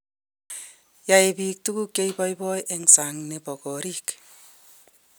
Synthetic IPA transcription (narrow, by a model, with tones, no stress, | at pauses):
ja˨e˨bi˨k̚tu˦ku˦ke˦jbɔ˦jbɔ˦jʔe˦ŋsa˨ŋne˨pɔ˨kɔ˨ɾi˦k